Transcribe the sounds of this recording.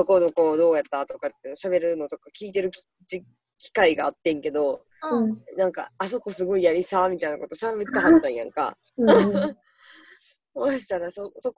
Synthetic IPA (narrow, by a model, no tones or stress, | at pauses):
oko̞noko̞ːd̪o̞ːjat̪ːat̪okat̪ːeɯ̟noɕaβe̞ɾɯ̟no̞t̪o̞kakʲiːt̪e̞ɾɯ̟kʲ | t͡ɕi | kʲi̥kaiɡaːt̪ːẽ̞ŋke̞d̪õ̞ | nãŋka̰ːso̞ko̞sɨɡo̞ijaɾʲisamʲit̪aina̰ko̞t̪o̞ɕabe̞t̪ːaɦat̪ːãɰ̃jã̰ŋka̰ | soɕi̥t̪aɾasoso̞k